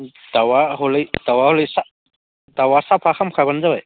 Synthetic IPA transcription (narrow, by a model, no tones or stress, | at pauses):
d̥awaɦɔlɯjd̥awaɔlɯjsa | dawasapʰaxʰamkʰabanzawaj